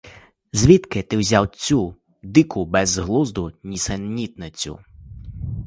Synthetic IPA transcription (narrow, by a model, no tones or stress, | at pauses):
zʲʋʲit̪kɪt̪ɪwzʲawt͡sʲu | d̪ɪkʊbɛzɦlˠuzd̪ʊnʲisɛnːʲit̪nɪt͡sʲʊ̰